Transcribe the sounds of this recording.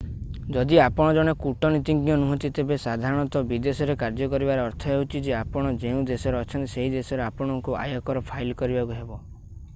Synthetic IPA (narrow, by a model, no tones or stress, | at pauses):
d͡ʒɔd̪iapɔɽ̃ɔd͡ʒɔɽ̃ekuʈɔnit̪iŋɡĩjɔnuɦɔ̃nt̪it̪ebesad̪ʱaɾɔɽ̃ɔt̪ɔbid̪esɔɾekaɾd͡ʒɔkɔɾibaɾeɔɾt̪ʰɔɦewut͡ʃʰid͡ʒeapɔɽ̃ɔd͡ʒeũd̪esɔɾeɔt͡ʃʰɔnt̪iseɦid̪esɔɾeapɔɽ̃ɔŋkua̰jɔkɔɾɔpʰailkɔɾibakuɦebɔ